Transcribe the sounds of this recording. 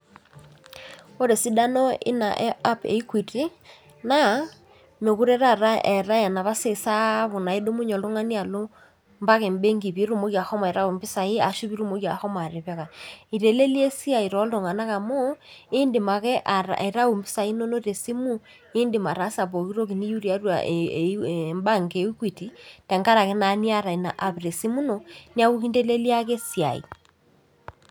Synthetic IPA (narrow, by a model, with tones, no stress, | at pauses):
o˦ɾe˨si˦da˦nɔ˦ɪ̰˦na̰˨ʔa˦pḛ˨i˦kwi˨ti˦ | na˦ | me˨ɣu˦ɾɛ˦ɾa˦˨ɾa˦ʔɛ˨ɾa˦ja˨na˨βa˦se˦˨sa˦βo˨na˨e˦do˦mu˦ɲɔ˨lo˦ŋa˦ni˦a˨lo˦ | mba˦ɣɛ˨mbe˦ŋɡi˨βi˨˦ɾo˦˨mo˦ɣja˨hɔ˦m˨ɾa˦u˨mbɪ˦sa˨i˦a˨ʃi˦βi˦ɾu˦mo˦ɣja˨hɔ˦ma˨ɾe˨βɛ˦ɣa˨i˨ɾe˨le˦li˦e˦si˦a˨i˨ɾɔ˨˦lo˨ŋa˨na˦ka˨mo˦ɪ˦ndɪ˨ma˨kɛ˦ʔa˨ɾa̰˨e˨ɾa˦u˨mbɪ˦sa˨i˦no˦no˦ɾe˨si˦mu˦ | e˦ndɪ˨ma˨ɾa˦sa˨βo˨ki˦ɾo˦k̬i˨ni˦ju˦ɾi˨a˨˦rwa̰˨ | mba˦˨ŋɡe˨˦u˦kwi˨ti˨tɛ˨ŋɡa˦ɾa˨kɛ˦na˨˦ni˦a˦˨ɾa˨i˨na˨ʔa˨βɾe˨si˦mu˦no˨ni˦a˦ku˦ki˦nde˦le˦li˦a˦ke˦si˨a̰˨ḭ˨